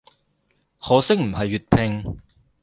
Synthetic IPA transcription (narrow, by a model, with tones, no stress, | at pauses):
hɔː˨˧sɪ˥k̚m̩˨˩hɐ˨jːyː˨˩t̚pʰɪ˧ŋ